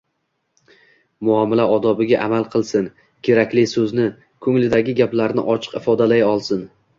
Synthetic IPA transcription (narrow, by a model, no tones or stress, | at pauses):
mʊɒmɪlaɒd̪ɒbɪɡʲaʔamalˠqʰɨlˠsɪn | kʲʰe̞ɾakʲlɪsɵznɪ | kʰɵŋlɪd̪aɡʲɪɡʲaplaɾnɪ̰ʔɒt͡ʃʰɨ̥qɪfɒd̪alajɒlˠsɪn